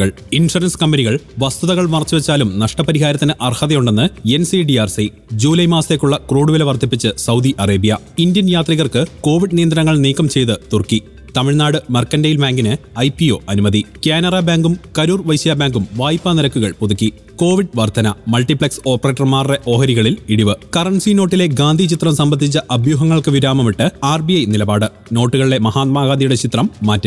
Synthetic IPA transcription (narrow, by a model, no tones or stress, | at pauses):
ɐɭ | inʂɐrɐnskɐmbeniɣɐɭʋɐst̪uðɐɣɐɭmɐrt͡ɕːuʋet͡ɕːaːlumnɐʂʈɐpɐɾiɦaːɾɐt̪ːinɨʔɐrhɐðɐjuɳɖe̞nːɨensiɖiaːrsi | d͡ʑuːlɐjmaːst̪eːkːuɭːɐkruːɽuʋileʋɐrt̪ʰipːit͡ɕːɨsɐwd̪iʔɐreːbijɐ | indjɐnjaːt̪riɣɐrkɨko̞ːʋiɖnijɐnd̪ɾɐnɐŋːɐɭniːkːɐmt͡ɕe̞jt̪ɨt̪urkːi | t̪ɐmiɭnaːɽɨmɐrkɐndejilbaːŋɡinɨɐjpːio̞̰ːʔɐnumɐðikeːnɐrɐbaːŋɡumkɐɾurʋɐjsijabaːŋɡumʋaːjpːaniɾɐkːuɣɐɭpuðukːi | ko̞ːʋiɖʋɐrt̪ɐnɐmɐlʈipɭɐkso̞ːpːɐre̞ːʈːɐrmaːrːeʔo̞ːɦɐɾiɣɐɭiliɽiʋɨkɐrɐɳsino̞ːʈːile̞ɡaːnd̪ʱit͡ɕit̪rɐmsɐmbɐt̪ːit͡ɕːɐʔɐbjuːɦɐŋːɐɭkɨʋiɾaːmɐmiʈːɨaːrbiɐjnilɐbaːɽɨ | no̞ːʈːuɣɐɭile̞mɐɦaːt̪̚maːɡaːnd̪ijuɽet͡ɕit̪rɐmːaːtːɨ